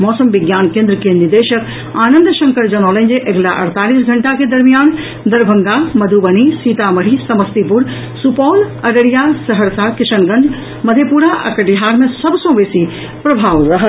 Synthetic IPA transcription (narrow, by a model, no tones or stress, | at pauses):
mɔːsəmʋɪɡjaːnkẽːnd̪ɾəkenɪɾd̪eːʃək | aːnə̃nd̪ʃɐ̃ŋkəɽd͡ʑɐnɔːlə̃ɲd͡ʑeʔɐɡlaʔɐ̰ɽ̤t̪aːliːsɡʱɐɳʈaked̪ɐɾmijaːn | d̪ɐɾbʱɐ̃ŋɡamɐd̪ʱubɐnisiːt̪amɐɽ̤isɐməst̪ipʊɾ | supɔːlɐɽəɽijasɐɦəɾsakɪʃənɡɐ̃ɳɖ | mɐd̪ʱepuːɾaʔɐ̰kəʈiɦaːɾmẽsɐbsõʋeːsi | pɾɐbʱaːʋɾɐɦə